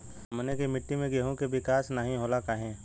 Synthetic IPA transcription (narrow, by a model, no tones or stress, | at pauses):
mnekimɪʈːimẽɡeɦõkebɪkaːsnaɦĩɦoːlakaːɦẽː